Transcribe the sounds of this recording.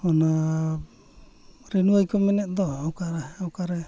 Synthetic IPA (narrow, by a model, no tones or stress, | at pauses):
ɔna | ɾɛnuajkɔmɛnɛtd̪ɔawkaɾɛawkaɾɛ